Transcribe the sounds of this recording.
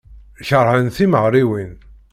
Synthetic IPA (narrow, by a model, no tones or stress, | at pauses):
çəɾˤhənθiməʁɾiwin